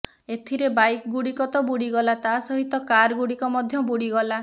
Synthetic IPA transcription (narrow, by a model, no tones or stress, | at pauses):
et̪ʰiɾebajkɡuɽikɔt̪ɔbuɽiɡɔlat̪asɔɦit̪ɔkaɾɡuɽikɔmɔd̪ʱjɔbuɽiɡɔla